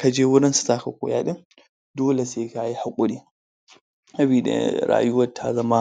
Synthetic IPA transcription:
kɐ˨d͡ʒeː˦wʊ˦ɾɪ˦nsɪ̥˦taː˦kɐ˨kʷo̰˨ja˦ɗɪ˦m | doː˦le˨seː˨˦ka˨ji˦ha˨kʷʼʊ˦ɗiː˦˨ | ɐ˦bi˨ɗ̰ɾa̰ː˨jʊ˦wɐ˦tʰːaː˦zɐ˦maː˦

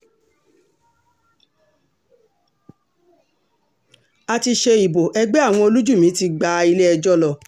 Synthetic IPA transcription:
a˧ti˧ʃe˧i˨bo˨ʔɛ˧ɡ͡bɛ˦a˦˨w̃ɔ̃˧o˧lu˦d͡ʒu˦˨mĩ˨˦ti˧ɡ͡ba˧i˧le˦ɛ˧d͡ʒɔ˦lɔ˦˨

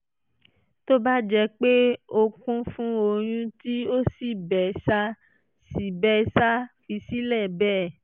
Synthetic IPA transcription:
to˦ba˦d͡ʒɛ˧k͡pe˦o˧kũ˦fũ˦o˧j̃ũ˧ti˦o˦si˦˨bɛ˨sa˧ | si˨bɛ˦sa˦fi˧si˦lɛ˦˨bɛː˦

